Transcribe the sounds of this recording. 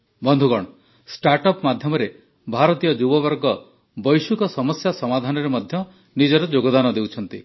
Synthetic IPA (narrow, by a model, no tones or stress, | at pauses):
bɔnd̪ʱuɡɔɽ̃ɔ | sʈaɾʈɔpmad̪ʱjɔmɔɾe | bʱaɾɔt̪ijɔd͡ʒubɔbɔɾɡɔ | bɔjsukɔsɔmɔsjasɔmad̪ʱanɔɾemɔd̪ʱjɔ | nid͡ʒɔɾɔd͡ʒoɡɔd̪anɔd̪ewt͡ʃʰɔnt̪i